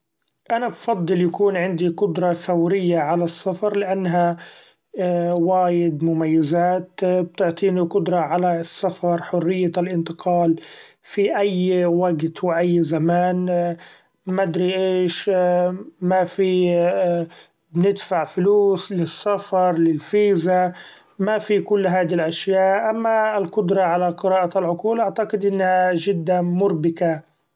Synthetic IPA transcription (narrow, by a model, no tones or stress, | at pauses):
ʔanabfɑd̪ˤːɨljakuːnʕɪnd̪iqʊd̪ɾˤɑθawɾɪjːaʕalasːafɑɾˤlɪʔanːɦa | waːjɪd̪mʊmajːazaːt̪b̚t̪ʊʕt̪ˤiːniqʊd̪ɾˤɑʕalasːafɑɾˤħʊrːɪjːalʔɪnt̪ɪqɑːl | fiʔajːwaɡt̪wɪʔajːzamaːn | mad̪ɾiʔeːʃ | mafi | bnɪd̪faʕfʊluːslɪsːafɑɾˤlɪlfiːza | mafikʊlːɦaːd̪ilʔaʃjaːʔʔamːaɪlqʊd̪ɾˤɑʕalaqɪɾɑːʔalʕʊquːlʔaʕt̪aqɪd̪ʔɪnːhaʒɪd̪ːamʊɾbɪka